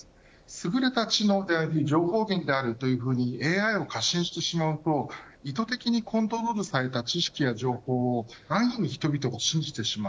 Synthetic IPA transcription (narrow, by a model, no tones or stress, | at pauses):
sɨɡɯ̟ɾe̞t̪at͡ɕino̞ːd̪e̞aɾʲid͡ʑo̞ːho̞ːɡẽ̞nd̪e̞aɾɯ̟t̪o̞jɯ̟ːɸɯ̟ːɲ̟ie̞ːaio̞kaɕĩɰ̃ɕi̥t̪e̞ɕimaɯ̟t̪o̞it̪o̞t̪e̞kʲiɲ̟ikʰõ̞nt̪o̞ɾo̞ɾɯ̟saɾe̞t̪at͡ɕiɕi̥kʲijaʑo̞ːho̞ːonãɰ̃iniçi̥t̪o̞bʲit̪o̞ɡaɕĩɲ̟d͡ʑit̪e̞ɕima